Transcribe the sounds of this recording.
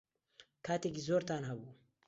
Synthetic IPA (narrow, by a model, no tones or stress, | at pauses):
kat̪eɡizoɾt̪anɦabu